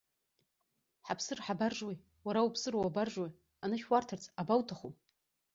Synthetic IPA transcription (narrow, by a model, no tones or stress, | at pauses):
ħapʰsɨrħabarʒwej | waɾawupʰsɨɾowabarʒwaj | anɨʃwartʰart͡sʰʼabawtʰaχu